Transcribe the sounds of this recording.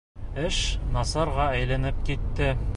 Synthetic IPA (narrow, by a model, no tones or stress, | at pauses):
ɘʃnɑsɑɾʁɑæjlænɘp̚kit̪ːɘ